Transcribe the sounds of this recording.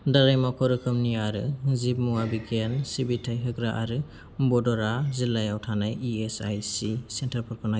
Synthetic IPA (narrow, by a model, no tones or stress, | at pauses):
daɾajmakʰɔɾɯkʰɯmniaɾɯzip̚muwabikʰensibitʰajɦɯkɾaʔaɾɯ | bɔdɔɾazilajawtʰanajiesajsisentʰaɾpʰɔɾpʰɔna